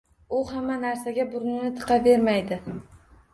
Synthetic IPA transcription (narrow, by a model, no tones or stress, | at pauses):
ʊhamːanaɾsaɡʲabʊɾnɪnɪt̪ʰɨ̥qʰɑve̞ɾmajd̪ɪ